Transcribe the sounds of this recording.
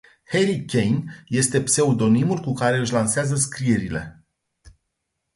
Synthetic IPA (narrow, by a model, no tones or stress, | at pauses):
he̞ɾikʲe̞jnje̞st̪e̞pse̞ud̪o̞nimulkukaɾe̞ɨʃ̬ʲlanseazəskɾieɾile̞̰